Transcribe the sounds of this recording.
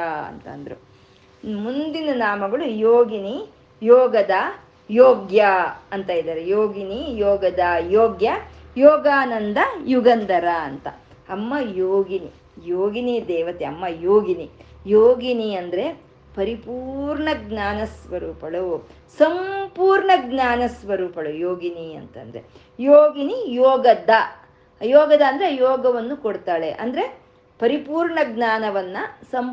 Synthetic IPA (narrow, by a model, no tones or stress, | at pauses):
aɐ̰nt̪ɐ̰nd̪ɐɾṵ | mund̪inɐnaːmɐɡɐɭujoːɡini | jɔːɡɐd̪ɐ | jɔːɡjɐɐnt̪aːjid̪aːɾejoːɡinijɔːɡɐd̪ɐjɔːɡjɐjɔːɡaːnɐnd̪ɐjuɡɐnd̪ɐɾɐɐnt̪ɐ | ɐmːɐjoːɡini | joːɡinid̪ɛːʋɐt̪eɐmːɐjoːɡinijoːɡiniɐnd̪ɐɾe̞ | pɐɾipuːɾɳɐɡnaːnɐsʋɐɾuːpɐɭu | sɐmpuːɾɳɐɡɲaːnɐsʋɐɾuːpɐɭujoːɡiniɐ̰nt̪ɐ̰nd̪ɐɾḛ | joːɡinijɔːɡɐd̪ɐ | jɔːɡɐd̪ɐːnd̪ɐɾejɔːɡɐʋɐnːukoɽt̪aːɭḛʔɐ̰nd̪ɐɾe̞ | pɐɾipuːɾɳɐɡnaːnɐʋɐnːɐsɐm